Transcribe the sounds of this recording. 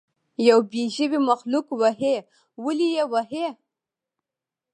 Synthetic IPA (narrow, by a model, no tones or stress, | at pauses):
jawbiʒibimaxlukwaɦe | wəlijewaɦe